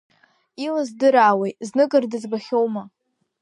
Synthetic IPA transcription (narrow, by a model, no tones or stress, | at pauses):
ilazdɨɾaːwejznɨkʼɨrdɨzbaχʲowma